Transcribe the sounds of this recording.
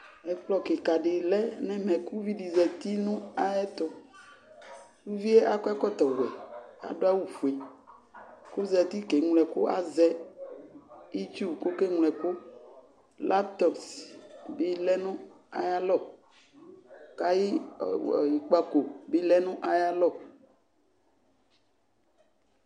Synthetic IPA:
ɛ˨k͡plɔ˦ke˨ka˨ɖe˨lɛ˦nɛ̃˦mɛ̃˨ku˦vi˦ɖi˨zɛ˨t̪i˦nũ˦a˦jɛ˦t̪ɔ˨ | ku˦vi˦e˦ʔa˦kɔ˦ɛ˦kɔ˦t̪ɔ˨wɛ̰˨a̰˨ɖo˦a˦wu˨fu˨e˨ | ko˦zɛ˨t̪i˦ke˨ŋ˨lɛ˨ko˦a̰˨zɛ˦ | i˦t̪u˦˨bko˦ke˦ŋlɛ˨ko˦ | lʔa˦p̚t̪ɔ˨ksbi˦lɛ˦nũ˦ | a˨ja˦lɔ˦ | ka˦jḭ˦˨ | ji˨k͡pa˦ko˨bi˦lɛ˦nũ˦ʔa˨ja˦lɔ˦˨

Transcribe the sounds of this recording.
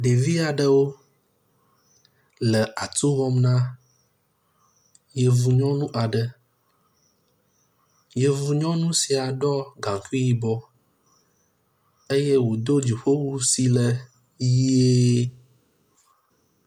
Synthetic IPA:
ɖe˨vi˦a˨ɖə˨wo˦ | lə˨a˨t̪u˦vɔ˦mnã˦ | je˨vu˨ɲɔ̃˦nũ˦ʔa˨ɖə˨ | je˨vu˨ɲɔ̃˦nũ˦si˨a˨ɖɔ˦ɡã˨ku˦i˦ji˨bɔ˦ | e˦je˦wo˨d̪o˦d͡ʑi˨ɸo˦wu˦si˨lə˨ | ji˦e˦

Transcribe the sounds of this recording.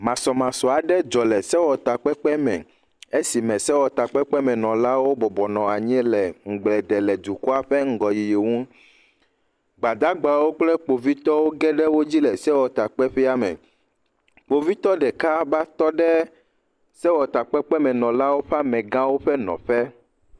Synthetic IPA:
mã˨sɔ˨mã˨sɔ˨a˨ɖɛ˦d͡ʒɔ˨lɛ˨sɛ˦wɔ˨t̪a˨k͡pɛ˦k͡pɛ˦mɛ̰̃˨ | e˦si˨mɛ̃˨sɛ˦wɔ˨t̪a˨k͡pɛ˦k͡pɛ˦mɛ̃˨nɔ̃˨la˦wo˦bɔ˨bɔ˨nɔ̃˨a˨ɲɛ˦lɛ˨ŋ̩˨ɡ͡blɛ˨d̪ɛ˨lɛ˨d̪u˨ku˦a˦ɸɛ˦ŋ̩˦ɡɔ˨ji˨je˨ŋũ˦ | ɡ͡ba˨d̪a˦ɡ͡ba˨wo˦k͡plɛ˦k͡po˨vi˦t̪ɔ˦wo˦ɡɛ˦ɖɛ˦wo˦d͡ʑi˦lɛ˨sɛ˦wɔ˨t̪a˨k͡pɛ˦ɸɛ˦a˦mɛ̰̃˨ | k͡po˨vi˦t̪ɔ˦ɖɛ˨ka˦ba˦t̪ɔ˦ɖɛ˦ | sɛ˦wɔ˨t̪a˨k͡pɛ˦k͡pɛ˦mɛ̃˨nɔ̃˨la˦wo˦ɸa˦mɛ̃˨ɡã˦wo˦ɸɛ˦nɔ̰̃˨ɸɛ˦

